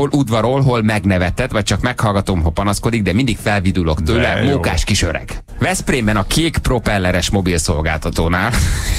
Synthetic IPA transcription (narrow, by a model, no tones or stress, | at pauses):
olʔud̪vʋɒɾolɦolmɛɡnɛvɛt̪ɛt̪ʋɒc̚t͡ʃɒkmɛkhɒlɡɒt̪oːmɦopɒnɒsko̞d̪iɡ̚d̪ɛmind̪ikfɛlvid̪ulo̞kt̪øːlɛmuŋkaːʃkiʃøɾɛ̰ɡ̥ | vɛspreːmbɛnɒkʰeːkpro̞pɛlːɛɾɛʃmo̞bilso̞lɡa̰ːlt̪ɒt̪oːnaːl